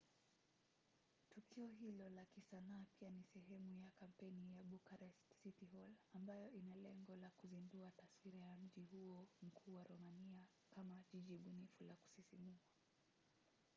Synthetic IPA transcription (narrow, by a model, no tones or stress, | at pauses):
tukʰiɔɦilɔlakisanaːpianisɛɦɛmujakam̩pɛnijaɓukaɾɛstsitiɦɔlambajɔʔinalɛŋɡɔlakuzinduataswiɾajam̩ʄiɦuɔm̩kʰuːwaɾɔmania | kamaʄiʄiɓunifulaku̥sisimia